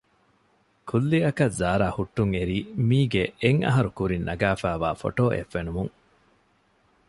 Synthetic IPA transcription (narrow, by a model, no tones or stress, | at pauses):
kʰulːiɐkɐzaːɾaːhuʈːuŋeɾiːmiːɡeeŋɐ̰ɦɐɾukuɾinːɐ̰ɡæːfæːʋa̰ːfo̰ʈoːʔḛfːenumuŋ